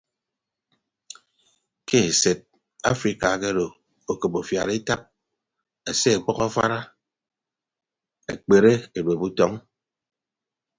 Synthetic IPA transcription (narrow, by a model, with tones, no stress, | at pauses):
ke˦e˨se˨t̚ | a̰˦fɾi˦ka˨ke˦ɾo˨ | o˨ko˨po˨fja˨ɾi˦ta˦p̚ | e˨se˦e˨k͡pɔ˦kɔ˦fa̰˦ɾa˦ | ḛ˨k͡pe˨ɾe˦e˨ɾwe˨bu˦tɔ˦ŋ